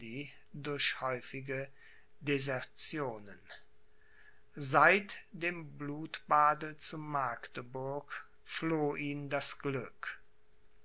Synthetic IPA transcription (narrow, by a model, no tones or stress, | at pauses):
iː | dʊɐçhɔʏfɪɡə | dezɛɐt͡sjoːnən | zaɪtd̥eːmbluːtb̥aːdət͡sʊmːaɐktəbʊɐk | floːʔiːndasɡ̥lʏk